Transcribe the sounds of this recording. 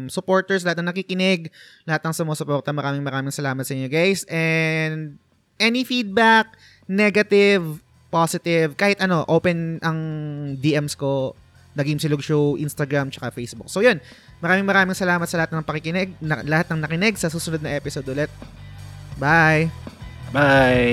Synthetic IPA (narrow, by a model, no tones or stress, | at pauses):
msʊpo̞ːɹt̪ɛɹs̬lɐhat̪nɐŋnɐkikɪnɛɡlɐhat̪nɐŋsʊmoːsʊpoːɾt̪ɐmɐɾaːmɪŋmɐɾaːmɪŋsɐlaːmɐt̪sɐʔɪɲːoɡajsʔɛnd̪̚ | ʔɛːnifid̪̚bɐk̚ | nɛɡɐt̪ɪv | posɪt̪ɪvkaːhɪt̪ʔɐno̞ʔoːpɛnʔɐŋd̪iːʔɛmsko̞ | nɐɡɪŋsɪlʊɡʃowʔinst̪ɐɡɹamt͡ʃɐkafejsbʊk̚sojon | mɐɾaːmɪŋmɐɾaːmɪŋsɐlaːmɐt̪sɐlɐhat̪nɐŋpɐkɪkɪnɛɡ̚nɐlɐhat̪̚nɐŋnɐkɪnɛɡ̚sɐsuːsʊnod̪̚nɐʔɛpɪsod̪ʊlɛt̪̚ | bajbaj